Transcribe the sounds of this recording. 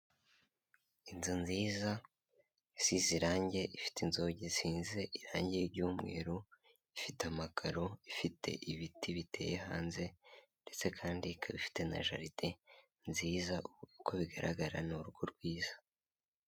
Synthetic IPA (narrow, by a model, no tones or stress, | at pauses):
inzinziːza | isiziɾaːɲɟe̞ʔifi̥tinzo̞ɟesiːnze̞ʔiɾaːɲɟejiɾɟuːmŋe̞̰ːɾo | ifitamakʰaɾo̞ifitʰe̞̰ʔiβitʰiβitʰe̞̰jeha̰ːnze̞nde̞t͡se̞kʰaːndikʰaβifi̥te̞na̰ʒa̰ɾiti | nziːzaʔuuko̞βiɡaɾʔa̰ɡaɾanuɾuɡoɾɡwiːz̥ḁ